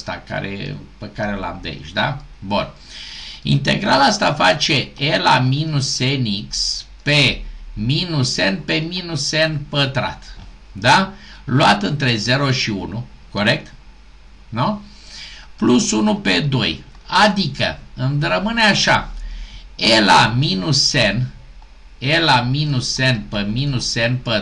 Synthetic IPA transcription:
st̪a̰ka̰ɾʔḛpekaɾela̰md̪ḛḭt͡ʃd̪a | bun | ḭnt̪e̞̰ɡɾalast̪afat͡ʃe̞elaminuseniks | peminuse̞npe̞minusenpət̪ɾa̰t̪ | d̪aluat̪ɨnt̪ɾe̞ze̞ɾo̞ʃiṵnuko̞ɾe̞k̚t̪ | nu | plusunupe̞d̪o̞̰j | ad̪ikə̰ɨnɾəmɨneaʃa̰ | ela̰minuse̞n | elaminuse̞npəminuse̞npə

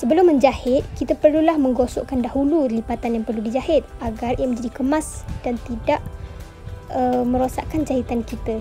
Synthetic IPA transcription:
səbəlʊmːə̃ɲd͡ʒahɪt̪̚kit̪apərlulahmə̃ŋɡosɔ̰ʔkandaɦululibat̪anjaŋpərludid͡ʒahɪt̪̚aɡariaməɲd͡ʒadikəmasd̥ant̪idaʔ | əmə̃ɾosa̰ʔkand͡ʒaɦit̪ankit̪a

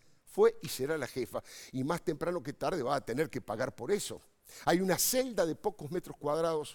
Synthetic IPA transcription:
fwe̞iseɾalaxefaimast̪empɾano̞ket̪aɾð̞e̞βaːt̪e̞neɾkepaɣaɾpo̞ɾe̞so̞̰ | ajunase̞ld̪aðepo̞kozmet̪ɾoskwað̞ɾaðo̞s

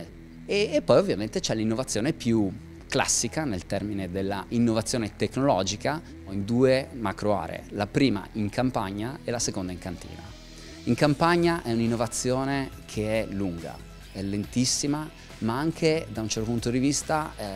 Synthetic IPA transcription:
eːpːɔjovːjament̪et͡ʃɛlːinːovat̪sːjoːnepju | kla̰sːikanelt̪ɛrmined̪elːa̰ʔinːovat̪sːjoːnet̪ekːnolɔːd͡ʒika | oind̪uːemakɾoa̰ːɾḛḛlapɾiːma̰iŋkʰampaɲːaelasekond̪aiŋkant̪ḭːna̰ | iŋkampaɲːaʔɛuninːovat̪sːjoːne | kʰeɛluŋɡa̰ | ɛlːent̪isːima | maaŋkʰed̪aunt͡ʃɛɾrt̪opunt̪od̪ivist̪a

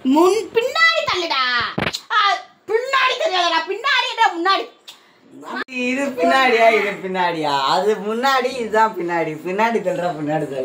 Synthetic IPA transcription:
mʊnpɪnːaːɽit̪ɐlːɪɽaːa | pɪnːaːɽit̪ɐlːɪjaːðɐɾaːpɪnːaːɽiɛnɾaːmʊnːaːɽi | ɪðɯpɪnːaːɽijaːɪðɯpɪnːaːɽijaːɐðɯmʊnːaːɽiːðɯðãːpɪnːaːɽipɪnːaːɽit̪ɐlɾãːpɪnːaːɽit̪ɐlː

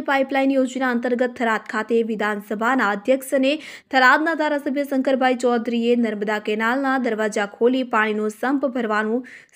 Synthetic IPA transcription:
paːiplainjoːd͡ʒnaənt̪əɾɡət̪ʰːəɾaːt̪̚kʰaːt̪eʋɪd̪ʱaːnsəbʱanaəd̪ʱjəksənet̪ʰəɾaːd̪̚nad̪ʱaːɾasəbʱjəsə̃ŋkəɾbʱaːit͡ʃɔːd̪ɾienəɾməd̪akɛːnaːlnad̪əɾʋaːd͡ʒakʰoːlipaːɽ̃inusəmpbʱəɾʋanũ

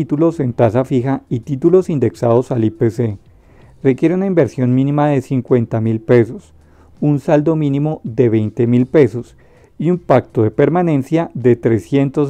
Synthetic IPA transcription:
it̪ulo̞se̞nt̪asafixait̪it̪ulo̞sind̪e̞ksaðo̞salipese | rekje̞ɾeunaimbeɾsjo̞nmĩnĩmaðe̞siŋkwe̞nt̪amilpe̞so̞s | unsald̪o̞mĩnĩmo̞ðe̞βejnt̪e̞milpe̞so̞s | iumpakt̪oðe̞pe̞ɾmanẽ̞nsjaðe̞t̪ɾe̞sje̞nt̪os

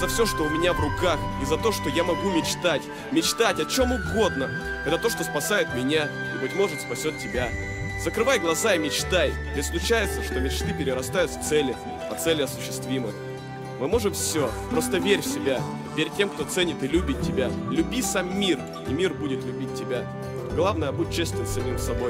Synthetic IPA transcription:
zɐfsʲo̞ʂt̪oʊmʲɪnʲavrʊkaxizɐt̪o̞ʂt̪ojamɐɡumʲɪt͡ɕt̪atʲ | mʲɪt͡ɕt̪atʲɐt͡ɕo̞mʊɡo̞d̪nə | ɛt̪ət̪o̞ʂt̪o̞spɐsajɪt̪mʲɪnʲa | ibɨtʲmo̞ʐɨt̪spɐsʲo̞t̪tʲːɪbʲa | zəkɾɨvajɡlˠɐzaɪmʲɪt͡ɕt̪ajʲ | ɪsklʲˠʊt͡ɕæjɪt̪səʂt̪o̞mʲɪt͡ɕt̪ɨpʲɪɾʲɪɾɐst̪ajʊt̪ft̪sɛlʲɪ | pɐt̪sɛlʲɪɐsʊ̥ɕːɪst̪vʲimɨx | mɨmo̞ʐɨmfsʲo̞pɾo̞s̬t̪əvʲeɾʲfsʲɪbʲa | vʲeɾʲtʲːe̞mkt̪o̞t̪sɛnʲɪt̪ɨlʲʉbʲɪt̚ʲtʲːɪbʲalʲʉbʲisamːʲir | imʲirbudʲɪt̪lʲʉbʲit̚ʲtʲːɪbʲa | ɡlˠavnəjəbut̚ʲt͡ɕːesʲt̪vʲɪnʲsɐmʲimsɐbo̞j

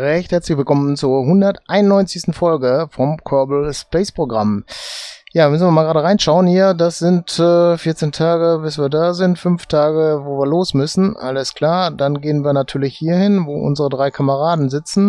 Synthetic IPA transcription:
ʁɛçthɛɐt͡slɪçv̥ɪlkɔmənt͡suːɐɦʊndɐtʔaɪnʊnːɔʏnt͡sɪstn̩fɔlɡəfɔmkʰɔɐbl̩spɛːspʁ̥oɡʁam | jaːɐmʏsnviːɐmaːɡʁaːdəʁaɪnʃaʊənhiːɐdasz̥ɪntɛːfiɪɐt͡seːntʰaːɡəbɪsviːɐdaːzɪntfʏmftʰaːɡəvoːviːɐloːsmʏsn̩ʔa̰ləskʰl̥aːɐdanɡeːənviːɐnatʰyːɐlɪçhiːɐhɪnvoːʔʊ̰nzəʁədʁaɪkʰaməʁaːdn̩zɪt͡sn̩

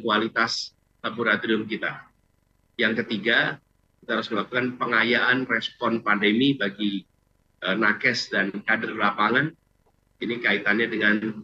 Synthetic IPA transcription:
kualit̪as | labuɾat̪ɾiʊmkit̪a | jaŋkət̪iɡa | kit̪aɦaɾʊsməlakukanpəŋajaʔanrɛspɔnpandəmibaɡi | ʔənakɛsdankadərlapaŋan | inikait̪anɲadəŋan

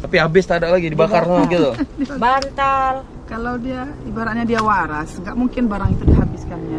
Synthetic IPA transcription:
t̪apiabɪst̪adalaɡidibakaraaɡit̪ʊdibant̪al | kalawdiaibaɾaʔɲadiawaɾasŋɡaʔmuŋkɪnbaɾaŋit̪udiɦabɪskanja

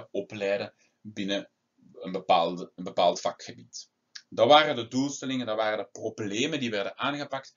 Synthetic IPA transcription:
ɔplɛjdə | bɪnə | ənbəpaːlˠdəənbəpaːlˠtfɑkxəbit | dɑʋaːrədədulˠstɛlɪŋəndɑʋaːrədəprobleːməndiʋɛrdənʔaːnɣəpɑk̚t

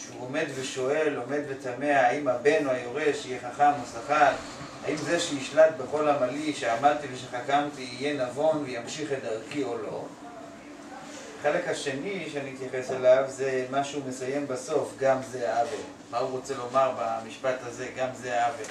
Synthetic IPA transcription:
ʃeuome̞d̪ve̞ʃo̞e̞lo̞me̞d̪ve̞tame̞aaimabe̞nuajoʁe̞ʃejeχaχamosaχal | haimzeʃejiʃlat̪̚beχo̞lamaliʃeamad̚t̪iveʃeχakamt̪iːje̞navo̞nvejamʃiχedaʁkio̞lo̞ | aχe̞le̞khaʃe̞niʃeaniit̪jaχe̞selavzemaʃeume̞saje̞mbaso̞fɡamzeaave | mauʁo̞t͡se̞lo̞maʁbamiʃpataze̞ɡamzeaave

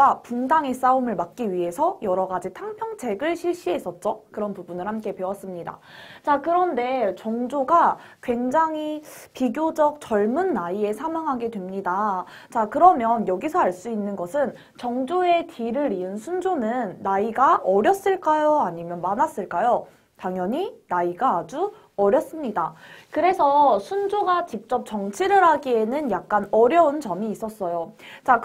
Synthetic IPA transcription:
apuŋdaŋes͈aumɯɭmak̚k͈iɥiɦe̞sʰʌjʌɾʌɡad͡ʑitʰaŋpʰjʌŋt͡ɕe̞ɡɯɭɕʰiɭɕ͈iɦe̞s͈ʌt̚t͡ɕ͈okɯɾʌnpubunɯɭhamk͈e̞pe̞wʌs͈ɯmɲida̰t͡ɕakɯɾʌnde̞t͡ɕʌŋd͡ʑoɡa | kwe̞ŋd͡ʑaŋipiɡjod͡ʑʌk̚t͡ɕʌɭmunːaie̞sʰamaŋɦaɡe̞dwe̞mɲida | t͡ɕakɯɾʌmjʌnjʌɡisʰʌaɭs͈uinːɯnɡʌsʰɯn | t͡ɕʌŋd͡ʑoe̞tʰiɾɯɾiɯnsʰund͡ʑonɯnːaiɡaʔʌɾjʌs͈ɯɭk͈ajoaɲimjʌnmanas͈ɯɭk͈ajo | taŋjʌɲinaiɡaːd͡ʑu | ʌɾjʌs͈ɯmɲidakɯɾe̞sʰʌsʰund͡ʑoɡat͡ɕik̚t͡ɕ͈ʌp̚t͡ɕʌŋt͡ɕʰiɾɯɾɦaɡie̞nɯnjak̚k͈anʌɾjʌunt͡ɕʌmiːs͈ʌs͈ʌjot͡ɕak

